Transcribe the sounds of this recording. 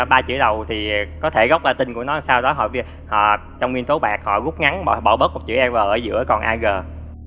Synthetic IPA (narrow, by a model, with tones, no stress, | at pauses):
ɓaː˧t͡ɕɨ̰˧˥əɗə˨˩wt̪ʰi˨˩kɔ˨˦t̪ʰe˧˩ɣə˦˥wk͡p̚laː˨˩t̪ï˨˩ŋ̟ku˧˩ənɔ˨˦saː˧wɗɔ˨˦ɦɔ̰˧˨vi˧ | hɔ̰˧˨ | t͡ɕɔ˧wŋ͡mwi˧ənt̪o˨˦ɓa̰ː˨˩k̚hɔ̰˧˨ɣʊ˦˥k͡p̚ŋa˨˦ŋɓɔ̰˧˨ɓɔ̰˧˩wɓəː˦˥k̚m˨˩t̚t͡ɕɨ̰˧˩ʔɛ˧mvəː˨˩ʔəː˧˩zɨ̰˧˥əkɔ˨˩nʔaː˧ɣəː˨˩